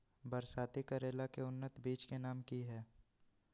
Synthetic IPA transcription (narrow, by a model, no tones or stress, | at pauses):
bəɾsaːt̪ikəɾeːlakeʊnːət̪biːt͡ʃkenaːmkiɦɛː